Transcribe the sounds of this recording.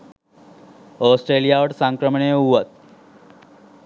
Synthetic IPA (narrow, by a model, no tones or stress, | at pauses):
ɔsʈɾelijaʋəʈsãŋkɾəmɳeuʋət̪̚